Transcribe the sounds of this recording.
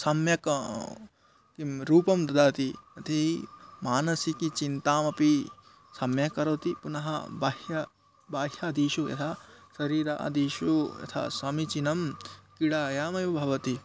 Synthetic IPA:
sɐmjɐk | kiɾuːpɐmd̪ɐd̪aːt̪iɐt̪ʰimaːnɐsikit͡ʃint̪aːmɐpi | sɐmjɐkɐɾɐt̪ipunɐɦɐ̰baːhjɐ | baːɦjɐːd̪iːʃujɐ̰t̪ʰasɐɾiːɾɐ̰ʔɐ̰d̪iʃujɐ̰t̪ʰa̰sɐmit͡ʃinɐmkiɽaːjaːmɐjʋɐbʱɐʋɐt̪i

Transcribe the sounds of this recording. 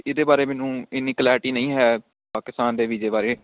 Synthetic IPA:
ɪd̪eːbaːɾeːmɛːnũːɪnːiːkəlɛːɾʈiːnə̃ĩːɦɛː | paːkɪst̪aːnd̪eːʋid͡ʒeːbaːɾeː

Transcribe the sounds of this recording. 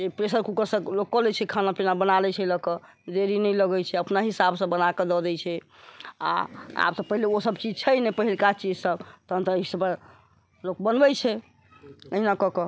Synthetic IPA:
epɾesəɾkukəɾsə̃lokːɔlɛt͡ʃʰɛkʰanapinabənalɛt͡ʃʰɛləkɔ | d̪eɾinɛjləɡɛt͡ʃʰɛəpnaɦisabsə̃bənaked̪ɔd̪ɛjt͡ʃʰɛ | a̰a̰b̚t̪ɔpəɦileosəbt͡ʃid͡ʒt͡ʃʰɛjnɛpəɦilkat͡ʃid͡ʒsəbt̪ɔɦə̃nt̪əisəbə | lok̚bənbɛt͡ʃʰɛ | əɦinakɔkɔ

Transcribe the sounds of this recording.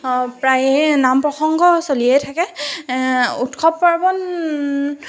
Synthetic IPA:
pɹajnampɹɔxɔŋɡɔsoliɛjtʰakɛ | utkʰɔppaɹbɔn

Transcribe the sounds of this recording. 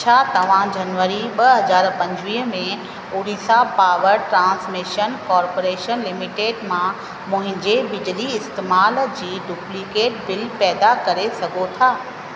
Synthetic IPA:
t͡ɕʰaːt̪ɐʋ̤ãd͡ʑɐnʋəɾiɓɐɦɐzaːɾpɐ̃ɲd͡ʑʋiːɦmẽ | ʊːɽiːsapaːʋəɾʈɾãːnsmiʃənkɔːɾpoːɾeːʃənlɪmɪʈeːɖmã | mʊ̃ɦɪ̃ɲd͡ʑebɪd͡ʑliɪst̪eːmaːld͡ʑiːɖuːplikeːʈ̚bɪlpɛːd̪akɐɾesɐɡʱot̪ʰaː

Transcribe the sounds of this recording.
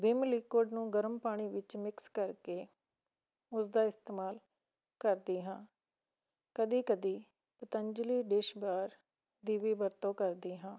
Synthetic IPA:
bɪmliːkoːɖnũːɡəɾəmpaːɽ̃iːʋɪt͡ʃmɪkskəɾkeː | ʊsd̪aːɪst̪eːmaːl | kəɾd̪iːɦãː | kəd̪iːkəd̪iː | pət̪əɲd͡ʒliːɖɪʃbaːɾ | d̪iːʋiːbəɾt̪õːkəɾd̪iːɦãː

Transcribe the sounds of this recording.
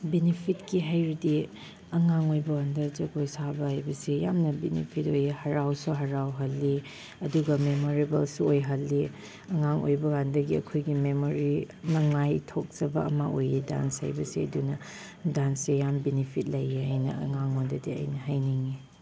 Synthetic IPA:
benipʰitkiɦajɾidi | ɐŋaŋojbɐwandɐzɐɡojsabɐhajbɐsijamnɐbenḭpʰitojihɐɾawsuɦɐɾawɦɐlːi | ɐduɡɐmemoɾibɐlsuojɦɐlːi | ɐŋaŋʔo̰jbɐɡandɐɡiɐ̰kʰojɡimemoɾi | nɐŋajtʰok̚zɐbɐ̰ɐ̰mɐʔojida̰nsha̰jbɐsiɐ̰dunɐ | dansejambenipʰit̚lɐjeɦajnɐ̰ɐ̰ŋaŋondɐdiɐ̰jnɐɦajniŋi

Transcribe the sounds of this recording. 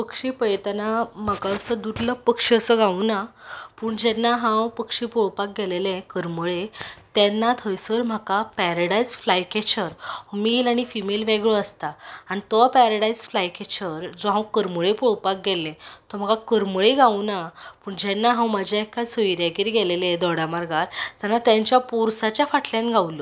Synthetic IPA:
pəkʂĩpəjt̪anam̤əkaəsəd̪ud̪ləpəkʂiəsəɡʱaunapuːɳd͡ʑɛnːaɦãwpəkʂipoɭpak̚ɡɛlelɛ̃kəɾməɭet̪ɛnːat̪ʰəjsəɾm̤əkapɛɾəɽajsflajkɛt͡ɕəɾmilaɽ̃ifimelʋeɡɭəəst̪aañit̪ɔpɛɾaɽaisflajket͡ɕʰəɾd͡zɔɦãwkəɾməɭepɔɭpak̚ɡɛlːɛ̃t̪ɔm̤əkakəɾməɭeɡʱaunapuːɳd͡ʑɛnːaɦãwməd͡ʑʱjaekːasəiɾjaɡiɾiɡɛlelẽd̪ɔɽamaɾɡaɾt̪janːat̪jãɲt͡ɕjapuɾsat͡ɕjafaʈʰljãnɡʱaʋulo

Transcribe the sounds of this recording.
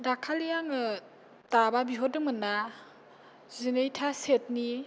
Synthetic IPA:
dakʰalijaŋɯ | tababiɦɔdɯmɯna | zinejtʰaset̚ni

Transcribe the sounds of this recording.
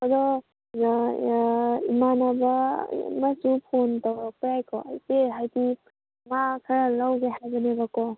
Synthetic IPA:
ɐdɔ | imanabɐ̰masupʰontawakɾajkɔ̰ajteɦajti | makʰɐɾalawɡehajbənebakɔ

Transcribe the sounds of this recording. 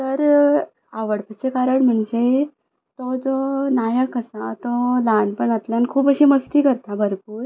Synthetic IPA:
t̪əɾ | aʋəɽpət͡sekaɾəɳm̤əɳd͡ze | t̪ɔd͡zɔnajəkəsat̪ɔlaɳɖpəɳət̪ljankʰuːpəɕiːməst̪iːkəɾt̪abəɾpuːɾ

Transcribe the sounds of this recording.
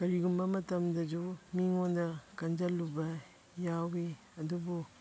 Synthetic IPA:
kɐɾiɡumbɐmɐtɐmdɐd͡ʒumiŋondɐkɐnd͡ʒɐlːubɐ | jawɡe | ɐdubu

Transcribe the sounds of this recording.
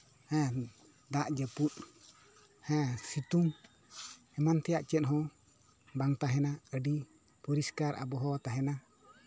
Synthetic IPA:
hɛ̃ | d̪aʔd͡ʒəput̪ | hɛ̃sit̪uŋ | hɛmant̪ɛjaʔt͡ʃɛt̪ɦɔ | baŋt̪aɦɛnaəɖi | pɔɾiskaɾa̰bɔɦɔt̪aɦɛna

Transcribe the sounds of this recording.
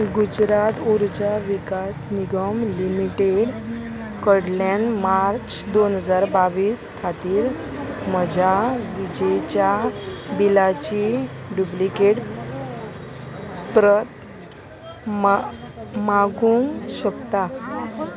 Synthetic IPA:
ɡud͡ʑɾat̪uɾd͡ʑaʋikasniɡəmlimiʈeɽ | kəɽlanmaɾt͡ɕd̪onɦəd͡zaɾbaʋiːskʰat̪iːɾ | məd͡ʑʱaʋid͡ʑejt͡ɕjabilat͡ɕiɖjublikeʈ | pɾət̪ | m | maɡũŋɕəkt̪a

